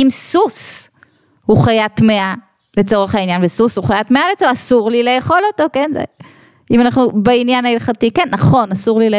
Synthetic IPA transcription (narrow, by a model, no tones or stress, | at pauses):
imsus | huχajatmea | le̞t͡so̞ʁeχhainjanvesushuχajatmealet͡soasuʁlilejeχo̞loto̞kenzḛ | imanaχnubeinjanailχatikenːɐχo̞nasuʁlile